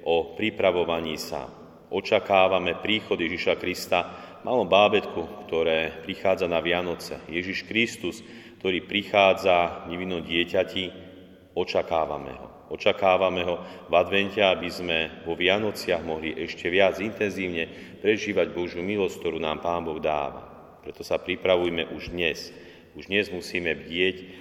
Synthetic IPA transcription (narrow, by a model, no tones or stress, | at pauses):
ʔɔpɾipɾaʋɔʋaɲiːsa̰ | ɔt͡ʃakaːʋamɛpɾiːxɔd̪jɛʒiʃakɾist̪amʔaːlɔbaːbɛt̪kukt̪ɔɾɛːpɾixaːd͡zanaʋɪanɔt͡sɛ̰jɛʒiʃkɾist̪us | k̚t̪ɔɾiːpɾixaːd͡zaɲɛʋinːɔmɟɪɛcaci | ɔt͡ʃakaːʋa̰mɛ̰ɦɔ̰ | ɔt͡ʃakaːʋamɛɦɔvad̪ʋɛncɛabizmɛʋɔʋɪanɔt͡sɪaɣmɔɦliʔɛʃcɛʋɪad͡zint̪ɛnziːʊɲɛ | pɾɛʒiːʋaɟbɔʒjumilɔsck̚t̪ɔɾuːna̰ːmpaːnbɔɣd̪a̰ːʋa̰ | pɾɛt̪ɔsapɾipɾaʋujmɛʔuʒd̪ɲɛs | uʒd̪ɲɛzmusiːmɛʋɟɪɛc